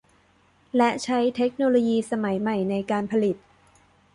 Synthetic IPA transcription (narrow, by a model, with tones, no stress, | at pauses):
lɛ˦˥t͡ɕʰa˦˥jt̪ʰe˦˥k̚noː˧loː˧jiː˧sa˧ma˩˦jma˨˩jna˧jkaː˧npʰa˧li˨˩t̪̚